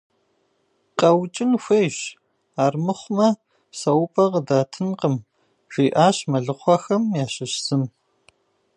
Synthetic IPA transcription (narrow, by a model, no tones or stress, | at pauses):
qʼɐwt͡ʃʼɪnxʷejɕ | aːrmɨχʷmɐ | sɐwʊpʼɐqədaːtʰɨnqəm | ʒ̥ʷiːʔaːɕmɐɮɨχʷɐxɐmjaːɕɪɕsɨm